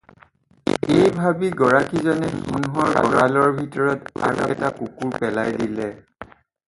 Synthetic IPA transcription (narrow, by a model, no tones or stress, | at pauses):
ejbʱabiɡɔɹakizɔnɛsunɦɔɹɡɔɹalɔɹbʱitɔɹɔta̰ɡɔtakukuɹpɛlajdilɛ